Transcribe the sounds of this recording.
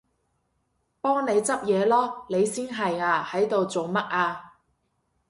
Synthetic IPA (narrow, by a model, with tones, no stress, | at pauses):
pɔː˥ŋne˨˧jt͡sɐ˥p̚jɛː˨˧lɔː˥ne˨˧jsiː˥nɦɐ˨jaː˧hɐ˨˥jt̪o˨wt͡so˨wmɐ˥t̚ʔaː˧